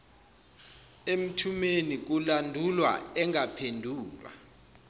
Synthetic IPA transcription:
em̩tʰumenik̬ulandʱulwa̰ɛŋapʰendʱuːlwa̰

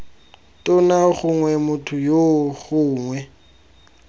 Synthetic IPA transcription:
tʼʊnaχʊŋwɛmʊtʰʊjoχʊːŋwɛ

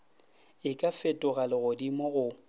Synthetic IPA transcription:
ɪkʼafɪtʼʊɣalɪɣʊdimɔɣʊ

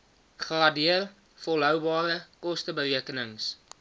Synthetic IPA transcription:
χrɑːdiər | fɔlˠɦœwbɑːrəkɔstəbəriəkənəŋs

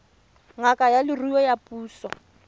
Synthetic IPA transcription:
ŋakʼajalɪriwɔjapʼuːsɔ̰

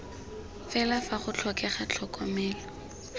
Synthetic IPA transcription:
fɛlafaχʊt͡ɬʰɔkɛχat͡ɬʰɔkɔmɛːlɔ

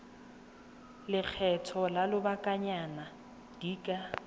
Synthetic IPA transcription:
lɪk͡xʰɛtʰɔlalʊbakʼaɲana | d̥iːkʼa

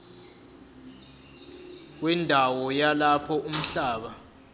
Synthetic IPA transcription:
k̬wɛndʱawɔjalapʰɔum̩ɬaːɓa

